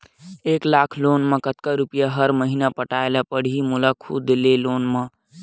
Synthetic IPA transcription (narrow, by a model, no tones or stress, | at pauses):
eːklaːkʰloːnmẽkət̪kaɾupjaɦəɾməɦinapəʈaːelapəɽ̤imulakʰṵd̪eleloːnmẽ